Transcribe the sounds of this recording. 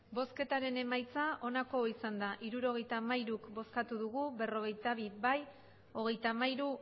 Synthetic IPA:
bo̞ske̞t̪aɾe̞nemajt͡saʔo̞nako̞isand̪aʔiɾuɾo̞ɣ̞e̞jt̪aːmajɾukbo̞skat̪uðuɣube̞ro̞ɣ̞e̞jt̪aβiβaj | o̞ɣ̞e̞jt̪amajɾu

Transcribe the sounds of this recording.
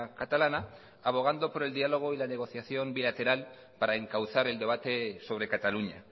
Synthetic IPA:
kat̪alana | aβ̞o̞ɣ̞and̪o̞poɾe̞ld̪ialo̞ɣ̞o̞ilane̞ɣ̞o̞θjaθjo̞mbilat̪e̞ɾal | paɾaeŋkawθaɾe̞ld̪e̞β̞at̪e̞so̞β̞ɾe̞kat̪aluɲa̰

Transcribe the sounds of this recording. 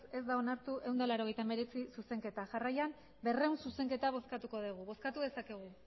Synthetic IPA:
e̞zd̪ao̞naɾt̪uʔe̞wnd̪alaɾo̞ɣ̞e̞jt̪ame̞ɾe̞t͡sisuse̞ŋke̞t̪aʝarajam | be̞re̞wnsuse̞ŋke̞t̪aβ̞o̞skat̪uko̞ð̞iɣ̞uβo̞skat̪uðe̞sakeɣ̞u

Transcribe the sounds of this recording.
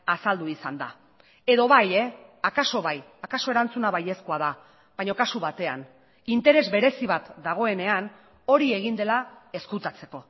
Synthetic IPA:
asald̪uisand̪a | e̞ðo̞βajeakaso̞βaj | akaso̞e̞ɾant͡sunaβaje̞skoaða | βajɲo̞kasuβat̪e̞a̰n | int̪e̞ɾe̞zβe̞ɾe̞siβat̪d̪aɣ̞o̞e̞ne̞an | o̞ɾie̞ɣ̞ind̪e̞lae̞skut̪at͡se̞ko̞

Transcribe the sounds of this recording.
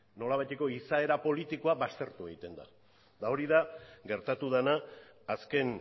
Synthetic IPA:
no̞laβajt̪e̞ko̞isae̞ɾapo̞lit̪ikoaβast̪e̞ɾt̪ueɣit̪e̞nd̪a̰ | d̪ao̞ɾiðaɡe̞ɾt̪at̪uð̞anaː | ske̞n

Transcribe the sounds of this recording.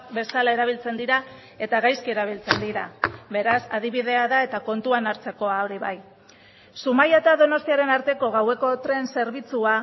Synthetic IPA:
be̞salae̞ɾaβ̞ilt͡se̞nd̪iɾa | e̞t̪aɣajskieɾaβ̞ilt͡se̞nd̪iɾa̰βe̞ɾasa̰ð̞iβ̞iðe̞aðae̞t̪ako̞nt̪uanaɾt͡se̞ko̞ao̞ɾiβa̰j | sumajat̪aðo̞no̞st̪iaɾe̞naɾt̪e̞ko̞ɣawe̞ko̞t̪ɾe̞nse̞ɾβit͡sua

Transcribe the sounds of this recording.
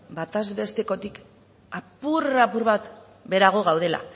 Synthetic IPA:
bat̪azβe̞st̪e̞ko̞t̪ik | apurapuɾβat̪ | be̞ɾaɣ̞o̞ɣawð̞e̞la̰

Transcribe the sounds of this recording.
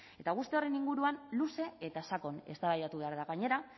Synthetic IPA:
e̞t̪aɣ̞ust̪e̞o̞re̞niŋɡuɾuanluse̞et̪asako̞ne̞st̪aβajt̪at̪uβe̞aɾðaɣaɲe̞ɾa

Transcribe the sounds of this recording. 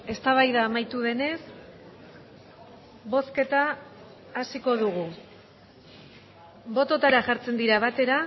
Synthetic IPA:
e̞st̪aβ̞ajðaːmajt̪uð̞e̞ne̞s | βo̞ske̞t̪aː | siko̞ð̞uɣ̞u | βo̞t̪o̞t̪aɾaʝaɾt͡se̞nd̪iɾaβ̞at̪e̞ɾa

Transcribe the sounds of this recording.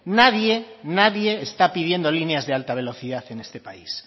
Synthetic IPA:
naðje̞naðje̞ːst̪apið̞jend̪o̞lineazðe̞alt̪aβ̞e̞lo̞θiðaθe̞nest̪e̞pais

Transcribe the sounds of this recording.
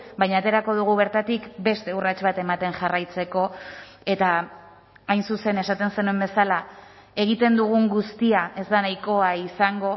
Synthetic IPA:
bajɲaːt̪e̞ɾako̞ð̞uɣ̞uβ̞e̞ɾt̪at̪ikbe̞st̪e̞urat͡ʃβat̪e̞mat̪e̞ŋʝarajt͡se̞ko̞e̞t̪aː | jnsuse̞ne̞sat̪e̞nse̞nuembe̞sala | e̞ɣ̞it̪e̞nd̪uɣ̞uŋɡust̪iaʔe̞zd̪anajko̞aisaŋɡo̞

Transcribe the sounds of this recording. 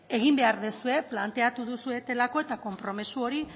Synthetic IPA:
e̞ɣ̞imbe̞aɾðesue̞plant̪e̞at̪uðusue̞t̪e̞lako̞e̞t̪ako̞mpɾo̞misuo̞ɾi

